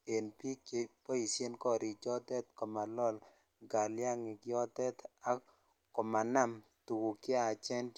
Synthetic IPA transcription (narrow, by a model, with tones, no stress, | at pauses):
e˨npi˦ke˨pɔ˦i˨sje˦nkɔ˦ɾi˨t͡ʃɔ˦tɛ˦t̪kɔ˨ma˨lɔ˦˨l | ɡa˨lja˦ŋɪ˨kɪ˦ɔ˦tɛ˦t̪a˦ | kɔ˨ma˨na˦m | tu˨ku˨kɪ˦a˨t͡ʃɛ˦n